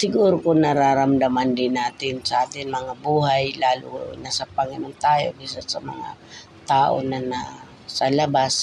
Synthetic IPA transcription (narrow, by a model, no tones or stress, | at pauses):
sɪɡuːɾokʊŋnɐɾaːɾɐmd̪amand̪ɪnaːt̪ɪnsɐʔaːt̪ɪnmɐŋabuːɦajlaːlʊ̰nasɐpɐŋɪnont̪aːjo̰ɡiːsansɐmɐ̰ŋa̰ | t̪aːʔo̰nɐna | sɐlɐbas